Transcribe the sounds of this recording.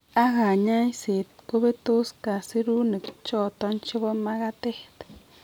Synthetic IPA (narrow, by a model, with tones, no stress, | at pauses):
a˦ɡa˨ɲa˦jse˨t̪̚ko˦be˦t̪u˦ska˨si˦ɾu˦ni˨kt͡ʃo˦t̪o˦nt͡ʃe˦bo˦ma˦ɡa˦t̪e˦t̪